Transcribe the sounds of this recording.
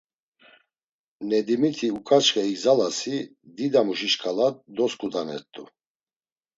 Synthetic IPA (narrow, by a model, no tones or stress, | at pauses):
nɛd̪imit̪ʰiukʼat͡ʃχʼɛiɡzalasi | d̪id̪amuʃiʃkʰʼalat̪̚d̪ɔskʼud̪anɛ̰ɾt̪ʼṵ